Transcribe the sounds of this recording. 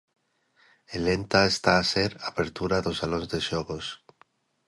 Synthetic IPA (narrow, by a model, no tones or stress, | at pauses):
elent̪aest̪aːseɾapeɾt̪uɾaðosalonzðeʃoɣos